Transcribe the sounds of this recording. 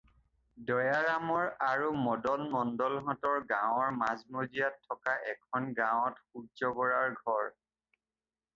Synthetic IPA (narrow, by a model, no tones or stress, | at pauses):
dɔjaɹamɔɹaɹumɔdɔlmɔndɔlɦɔtɔɹɡãw̃ɔɹmazmozijatʰːɔkaʔɛkʰɔnɡãw̃ɔtxuɡd͡ʒɔɡɔɹaɹɡʱɔɹ